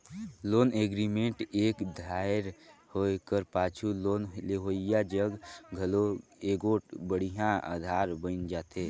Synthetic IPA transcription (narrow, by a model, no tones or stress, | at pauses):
loːneɡɾimeɳʈeːkd̪ʱaːɪɾhoekəɾpaːt͡ʃʰulonleɦoːijad͡ʒəɡɡʱəloeːɡobəɽ̤iɦjãa̰ːd̪ʱaːɾbənd͡ʒaːt̪eː